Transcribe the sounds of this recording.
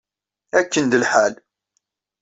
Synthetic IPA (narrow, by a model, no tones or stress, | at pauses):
ækːənd̪əlħal